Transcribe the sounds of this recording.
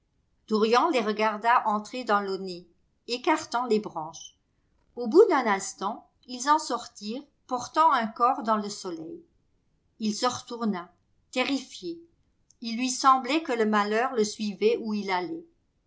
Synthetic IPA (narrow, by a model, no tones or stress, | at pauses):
d̪̥uʁjɑ̃leʁəɡaʁd̪aʔɑ̃t̪χed̪ɑ̃lone | ekaʁt̪ɑ̃lebʁɑ̃ʃ | obud̪ɛ̃nɛ̃st̪ɑ̃ | ilzɑ̃sɔʁt̪iːʁ | pɔʁt̪ɑ̃ɛ̃kɔʁd̪ɑ̃ləsɔlɛj | ilsəʁət̪uʁna | t̪ɛʁifje | ilːɥisɑ̃blɛkələmalœʁləsɥivɛuilalɛ